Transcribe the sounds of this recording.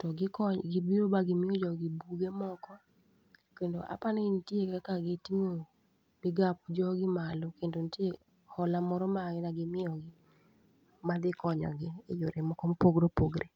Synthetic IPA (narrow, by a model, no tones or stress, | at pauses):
tɔɡɪkɔɡɪbiɾobaɡɪmɪɔd͡ʒɔɡɪbuɡemɔkɔ | kendoʔa̰panɛntjekakaɡɪtiŋo | bɪɡap̚d͡ʒɔɡɪmalokendontje | hɔlamɔɾɔmaɡɪnaɡɪmɪɔɡɪ | mad̪ɪkɔɲɔ̰ɡɪḛd͡ʒoɾemɔkɔmpoɡɾopoɡɾʔe